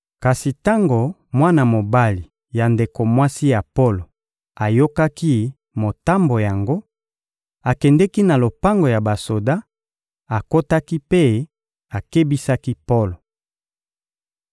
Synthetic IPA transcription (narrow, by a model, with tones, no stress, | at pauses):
ka˨si˨ta˦ŋɡo˨ | mwa˦na˨mo˨ba˦li˨ | ja˨nde˨ko˨mwa˦si˦ja˨po˦lo˨ | a˨jo˦ka˦ki˦ | mo˨ta˦mbo˨ja˨ŋɡo˦ | a˨kɛ˨ndɛ˦ki˦na˨lo˨pa˦ŋɡo˨ja˨ba˨so˨da˦ | a˨ko˦ta˦ki˦pe˦ | a˨ke˦bi˦sa˦ki˦po˦lo˨